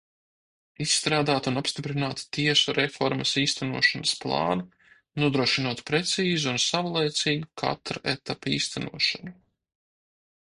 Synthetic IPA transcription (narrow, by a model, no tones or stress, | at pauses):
isːt̪ɾaːd̪aːt̪unapst̪ipɾinaːt̪t̪iɛsuɾɛfɔɾmɐsiːst̪ʰænuɔʃanɐsplˠɑ̰ːnu | nuɔd̪ɾuɔʃinuɔt̪pɾɛt̪siːzuunsavulˠɛjt̪siːɡukʰa̰t̪ɾaɛt̪apiːst̪ʰanuɔʃanu